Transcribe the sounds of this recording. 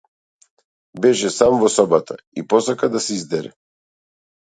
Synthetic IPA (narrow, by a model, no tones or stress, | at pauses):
bɛʃɛsamvɔsɔbat̪ʰa̰ | ipɔsakad̪asɛizd̪ɛɾɛ̰